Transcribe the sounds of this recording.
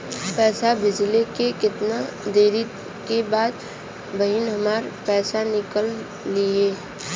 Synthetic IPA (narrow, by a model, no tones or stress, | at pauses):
pɛːsabɪd͡ʒlekekɪt̪nad̪eːɾi | kebaːd̪ | bəɦɪnɦɐmaːɾpɛːsanɪkəlː | ieː